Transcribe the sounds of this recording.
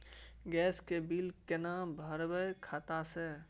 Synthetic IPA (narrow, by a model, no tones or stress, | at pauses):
ɡɛːskebilkenabʱəɾbəjkʰaːt̪ase